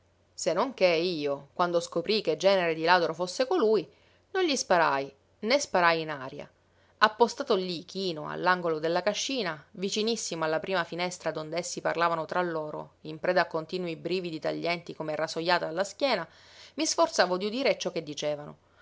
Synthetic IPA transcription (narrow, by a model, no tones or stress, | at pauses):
senːoŋkeiːokwand̪oskopɾiked͡ʒːɛːneɾed̪ilaːd̪oɾofosːekoluj | nonʎispaɾaj | nespaɾajinaːɾja̰ | apːost̪aːt̪olik̟iːnoa̰lːaŋɡolod̪elːakaʃːiːnavit͡ʃinisːimoalːapɾʔiːmafinɛst̪ɾad̪ond̪esːipa̰rlaːvanot̪ɾalːoːɾo̰impɾɛːd̪akːont̪iːnwibɾiːvid̪it̪a̰ʎːɛnt̪ikomerasojːaːt̪alːask̟jɛːna | misfort̪saːvod̪iud̪iːɾet͡ʃːɔkːed̪ːit͡ʃeːvano̰